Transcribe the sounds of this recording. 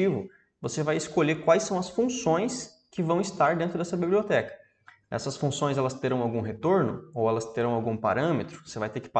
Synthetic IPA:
ivʊ | vosevajɪskoʎekwajsːɐ̃w̃ɐsfũsõj̃s | kɪvɐ̃w̃ɪst̪aɾd̪ẽnt̪ɾʊd̪ɛsɐbibliot̪ɛkɐ̥ | ɛ̰sɐsfũsõj̃zɛlɐst̪eɾɐ̃w̃awɡũɦet̪oɾnʊ̰owɛlɐst̪eɾɐ̃w̃awɡũpa̰ɾɐ̃met̪ɾʊvosevajt̪eɾkɪ̥pa

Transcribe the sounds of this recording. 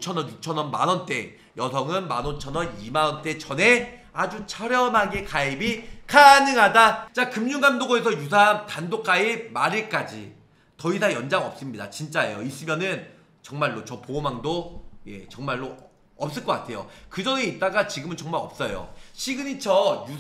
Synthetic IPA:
t͡ɕʰʌnʌnjut͡ɕʰʌnʌnma̰nʌnt͈e̞ | jʌsʰʌŋɯnmanot͡ɕʰʌnʌnimanʌnt͈e̞t͡ɕʌne̞ | ad͡ʑut͡ɕʰʌɾjʌmɦaɡekaibikʰanɯŋɦadat͡ɕakɯmɲuŋɡandoɡoe̞sʰʌjus̬ʰamtandok͈ʰaib̚maɾiɭk͈ad͡ʑḭ | tʌisʰajʌnd͡ʑaŋʌp̚s͈ɯmɲida̰t͡ɕint͡ɕ͈ae̞̰jois͈ɯmjʌnɯn | t͡ɕʌŋmaɭːot͡ɕʌpoːmaŋdoje̞̰t͡ɕʌŋmaɭːo | ʌp̚s͈ɯɭk͈ʌk͈atʰe̞jo̰kɯd͡ʑʌŋeit̚t͈aɡat͡ɕiɡɯmɯnt͡ɕʌŋmaɾʌ̰p̚s͈ʌjo̰ɕʰiɡɯɲit͡ɕʰʌju

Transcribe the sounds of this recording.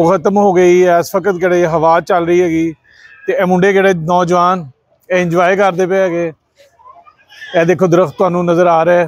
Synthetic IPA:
oːkʰət̪əmɦoːɡəiːɛːspəkət̪keːɽeːɦəʋaːt͡ʃəlɾəiːɦɛːɡiː | t̪eːɛːmʊɳɖeːd͡ʒeːɽeːnɔːd͡ʒʋaːn | ɛːɪ̃nd͡ʒʋaːekəɾd̪eːpeːɡeː | ɛːd̪eːkʰːoːd̪ʊɾəxt̪ːʊaːnũːnəzəɾaːɾɛː

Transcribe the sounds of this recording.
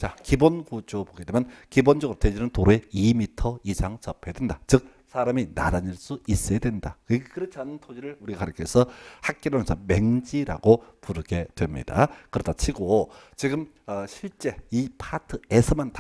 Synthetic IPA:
t͡ɕakibonkud͡ʑopoɡe̞dwemjʌnkibond͡ʑʌɡɯɾotʰed͡ʑinɯntoɾoeimitʰʌisʰaŋt͡ɕʌpʰedwendat͡ɕɯk̚ | sʰaɾamina̰daɲiɭs͈uis͈edwe̞ndakɯkɯɾʌt͡ɕʰanɯntʰod͡ʑiɾɯɭuɾiɡaaɾjɯkʰesʰʌhak̚k͈iɾamjʌnsʰʌme̞ŋd͡ʑiɾa̰ɡopuɾɯɡe̞dwe̞mɲḭda̰kɯɾʌdat͡ɕʰiɡot͡ɕiɡɯm | ʌɕʰiɭt͡ɕ͈e̞ipʰatʰɯesʰʌmanta

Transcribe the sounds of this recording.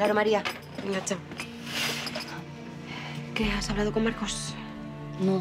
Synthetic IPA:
aɾomaɾia | ŋat͡ʃa | keasaβlað̞o̞ko̞maɾkos | no

